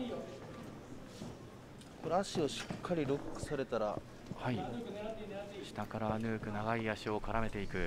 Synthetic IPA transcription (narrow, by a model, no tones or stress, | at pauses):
ko̞ɾeaɕio̞ɕi̥kʰːaɾʲiɾo̞kːɯ̟̥saɾe̞t̪aɾa̰ | hai | ɕi̥t̪akaɾaβanɯ̟ːkɯ̟naɡaiaɕio̞kaɾame̞t̪e̞ikɯ̟